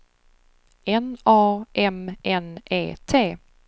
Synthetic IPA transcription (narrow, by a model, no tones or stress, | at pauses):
ɛnɑːʔɛmɛnʔḛːt̪ʰeː